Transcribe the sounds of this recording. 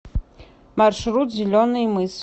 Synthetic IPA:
marʂrut̪zʲilʲonɨmɨs

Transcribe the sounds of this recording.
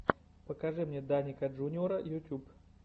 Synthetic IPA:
pɐkaʐɨmnʲɛd̪anʲɪkɐd̪ʐʊnʲɔɾɐjutʲup

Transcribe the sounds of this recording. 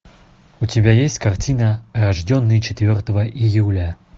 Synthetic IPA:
ʊtʲɪbʲajesʲtʲkɐrtʲinərɐʐdʲonːɨjt͡ɕɪt̪vʲort̪əvəʔɪjulʲə

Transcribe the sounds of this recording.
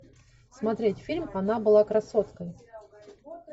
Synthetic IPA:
smɐt̪ɾʲetʲfʲilʲmɐnabɨlˠakɾɐsot̪kəj

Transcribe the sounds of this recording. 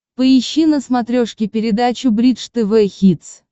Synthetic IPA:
pəɪɕːinəsmɐt̪ɾʲoʂkʲɪpʲɪɾʲɪd̪at͡ɕʊbɾʲit̪ʂt̪ɛvɛxʲit̪s

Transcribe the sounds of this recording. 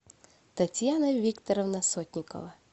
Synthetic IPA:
t̪ɐtʲjanɐvʲikt̪ɔɾɐvnɐsɔt̪ʲnʲɪkɔ̰vɐ

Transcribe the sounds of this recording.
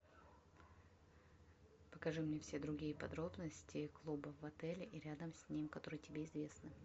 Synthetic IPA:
pəkɐʐɨmnʲefsʲe̞d̪ɾʊɡʲijəpɐd̪ɾo̞bnəsʲtʲɪklˠubəvɐt̪ɛlʲɪʔiɾʲad̪əmsʲnʲimʲkɐt̪o̞ɾɨjətʲɪbʲeɪzvʲe̞snɨ

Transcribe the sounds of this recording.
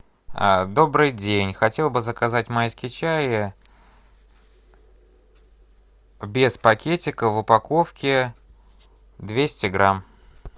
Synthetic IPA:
a̰d̪o̞bɾɨjdʲenʲxɐtʲe̞lˠbɨzəkɐzatʲmajskʲɪt͡ɕæjɪ | bʲɪspɐkʲetʲɪkəvɨpɐko̞fkʲɪ | d̪vʲesʲtʲɪɡɾam

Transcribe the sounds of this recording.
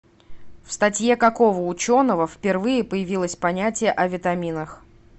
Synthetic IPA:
fst̪ɐtʲjekɐko̞vəʊt͡ɕo̞nəvəfʲpʲɪrvɨjɪpəjɪvʲilˠəsʲpɐnʲætʲɪjəʔɐvʲɪt̪ɐmʲinəx

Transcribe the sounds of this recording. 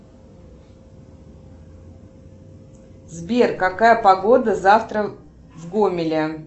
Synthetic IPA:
zbʲerkɐkajəpɐɡo̞d̪əzaft̪ɾə | vɡomʲɪlʲɪ

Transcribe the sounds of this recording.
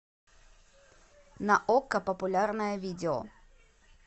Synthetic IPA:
nɐʔokːəpəpʊlʲarnəjəvʲidʲɪo̰

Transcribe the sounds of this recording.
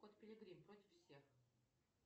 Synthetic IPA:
kot̪pʲelʲeɡɾʲinprotʲɪ̥fsʲex

